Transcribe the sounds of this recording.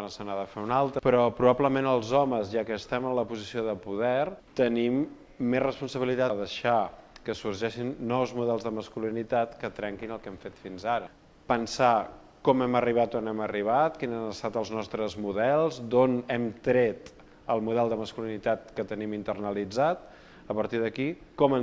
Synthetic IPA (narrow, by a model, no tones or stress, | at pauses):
anəsənaðəfeunalˠt̪ɾəpɾɔpɾuβapləmenəlˠzɔməzʒakəːst̪ɛmənləpuzisioðəpuðɛɾt̪ənimː | ezrəspunsəβilit̪aðəʃakəsurʒɛʃinːɔwzmuðɛlˠzðəməskulinit̪at̪kət̪ɾɛŋkinəlˠkɛmfet̪finzaɾə | pənsa | kɔmɛməriβ̞at̪onɛməriβ̞at̪̚kinzanəst̪at̪əlˠznɔst̪ɾəzmuðɛlˠzd̪onɛmt̪ɾet̪ | əlˠmuðɛlˠd̪əməskulinit̪at̪̚kət̪ənimint̪ərnəlid͡zat̪̚ | əpəɾt̪iðəkikɔmə